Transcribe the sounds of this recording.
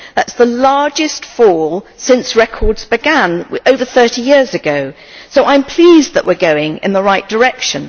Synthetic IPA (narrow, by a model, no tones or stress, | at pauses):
ðætsðəlɑɹd͡ʒɨstfɔlˠsɪ̃nsɹɛkʰɔdz̥bɨɡæ̃noʊvə˞θɜ˞ɾijɪɹzɨɡoʊ | soʊʔãɪ̃mpʰl̥izðəʔwɪɹɡoʊɪ̃ŋɪ̰̃nðəɹaɪʔ̚d̥ə˞ɛkʃɨ̃n